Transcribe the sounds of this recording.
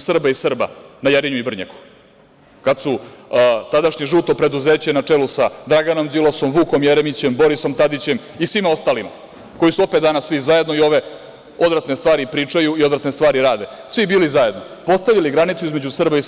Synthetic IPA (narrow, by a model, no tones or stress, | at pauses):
sr̩baisr̩ba̰najeɾiɲuibr̩ɲa̰ku̥ | kad̪su | t̪ad̪aʂɲeʐut̪o̞pɾe̞d̪uzeːt͡ɕenat͡ʂeːlusad̪ɾaɡano̞mzilˠo̞so̞mʋuːko̞mjeɾemit͡ɕe̞mbo̞ɾiso̞mt̪ad̪it͡ɕe̞m | isʋimao̞st̪alima̰ | ko̞jisuo̞pet̪d̪aːnasːʋizaje̞d̪no̞io̞ʋe̞ | o̞d̪ɾat̪nest̪ʋaːɾipɾiːt͡ʂajuio̞d̪ɾat̪ne̞st̪ʋaːɾiɾaːd̪e̞ | sʋibiːlizaje̞d̪no | po̞st̪aʋiliɡɾanit̪suizme̞d͡ʑusr̩bai